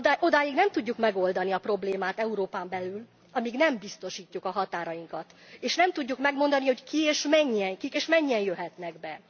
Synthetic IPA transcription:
o̞d̪aːjiɡnɛmt̪uɟːukmɛɡo̞ld̪ɒniɒpro̞bleːmaːt̪ɛuɾoːpaːmbɛlyl | ɒmiɡnɛmbist̪o̞ʃiːcːukɒɦɒt̪aːɾɒjiŋkɒt̪eːʃnɛmt̪uɟːukmɛɡmo̞nd̪ɒniho̞ckieːʃmɛɲːɛŋkikeːʃmɛɲːɛnjøɦɛt̪nɛɡbɛ

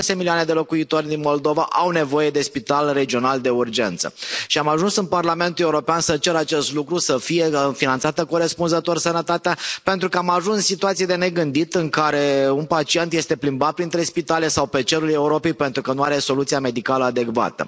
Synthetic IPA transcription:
asemiliane̞d̪e̞lo̞kuit̪o̞rʲd̪inmo̞ld̪o̞vaʔawne̞vo̞je̞d̪e̞spit̪alre̞d͡ʒio̞nald̪e̞urd͡ʒe̞nt̪sə̰ʃiamaʒunsɨnparlame̞nt̪ule̞uɾo̞peansət͡ʃe̞ɾat͡ʃe̞st̪lukɾusəfije̞finant̪sat̪əkoɾe̞spunzət̪o̞rsənət̪at̪eape̞nt̪ɾukəamaʒunssit̪uat̪sijed̪e̞ne̞ɡɨnd̪it̪ɨŋkaɾe̞unpat͡ʃie̞nt̪je̞st̪e̞plimbat̪̚pɾint̪ɾe̞spit̪ale̞sawpe̞t͡ʃe̞ɾule̞uɾo̞pe̞jpe̞nt̪ɾukənuaɾe̞so̞lut̪sijame̞d̪ikaləad̪e̞kva̰t̪ə̰

